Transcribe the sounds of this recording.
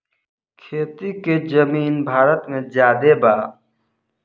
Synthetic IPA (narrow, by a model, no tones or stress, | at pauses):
kʰeːt̪ikezəmiːnbʱaːɾət̪mẽzjaːd̪ebaː